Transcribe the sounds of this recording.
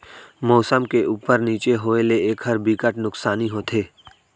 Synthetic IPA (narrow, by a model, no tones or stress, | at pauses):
mɔːsəmkeʔuːpəɾniːt͡ʃeɦoːeleeːkɦəɾbikəʈnʊksaːniɦot̪ʰeː